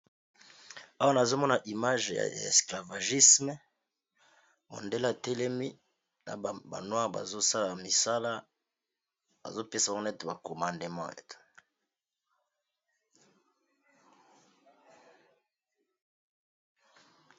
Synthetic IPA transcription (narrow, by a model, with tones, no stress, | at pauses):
a˦wa˦na˨zo˦mɔ˦na˨ʔi˨ma˦ʒja̰˨ḛ˨skla˨va˨ʒi˦smɛ˦ | mo̰˨nde˦la˨te˦le˦mi˦ | na̰˨ba̰˨nwã˦ʁba̰˨zo˦sa˦la˨mi˨sa˦la˦ | ba̰˨zo˦pe˦sa˨˦n˦ɛ˦te˨ba˨ko˨mã˨nde˨mɑ̰̃˦ḛ˨te̥˨